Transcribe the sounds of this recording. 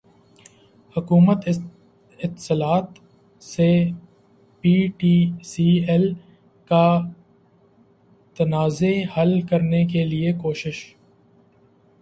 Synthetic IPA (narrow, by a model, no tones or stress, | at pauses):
hʊkuːmət̪ | ɪt̪səlaːt̪ | se | piːʈiːsiːɛl | ka | t̪ɐnaːzehɐlkɐɾnekeliekoːʃɪʃ